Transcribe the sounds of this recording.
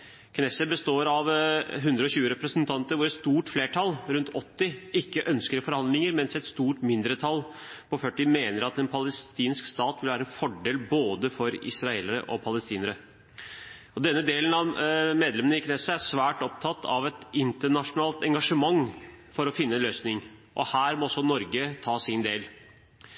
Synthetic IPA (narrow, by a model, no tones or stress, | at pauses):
kʰnɛsəbəst̪oːɾɑʋɦʉnd̪ɾəɔɕʉːəɾɛpɾəsənt̪ʰɑnt̪əɾʋʊɾɛt̪st̪uːʈfleːʈʰɑlɾʉnt̪ʰɔt̪ːɪɪkːəʔœnskəɾfɔɾhɑnd̪lɪŋəɾmɛnsɛt̪st̪uːʈmɪnd̪ɾət̪ʰɑl | pʰɔfœʈːɪmeːnəɾɑt̪ɛnpʰɑləst̪iːnskst̪ɑːt̪ʋɪlʋæːɾəɛnfɔɖeːlboːd̪əfɔɾɪ̰sɾɑeːləɾə̰ʔɔpʰɑləst̪iːnəɾə | ɔd̪ɛnːəd̪eːlənɑʋmeːd̪lɛmnəɪknesəæsʋæːʈɔp̚t̪ʰɑt̪ʰːɑ̰ʋɛt̪ɪnt̪əɳɑʂʊnɑːlt̪ɛŋɡɑʂəmɑŋːfɔɾɔfɪnːəɛnløːsnɪŋʔɔhæːɾmɔɔsɔnɔɾɡət̪ʰɑːsɪnd̪eːl